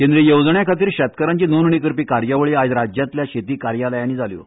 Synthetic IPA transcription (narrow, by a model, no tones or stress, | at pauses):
kẽnd̪ɾijewd͡zɳjakʰat̪iːɾɕət̪kəɾaɲt͡ɕiːnonɳikəɾpiːkaɾjaʋəɭiad͡zɾad͡ʑjãt̪ljaɕet̪iːkaɾjaləjaniːd͡zaljo̰